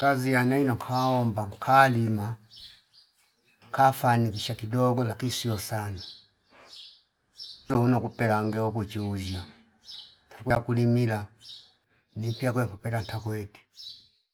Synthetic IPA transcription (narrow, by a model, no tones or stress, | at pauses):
kazijanainɔŋkʰaɔmbaŋkʰalima | kʰafanikiʃakidɔɡɔlakisiɔsana | lɔunakupɛlaŋɡɛɔkut͡ʃiud͡ʒa | tʰakwɛakulimila | nimpiak̬wɛŋkupɛtantʰakwɛti̥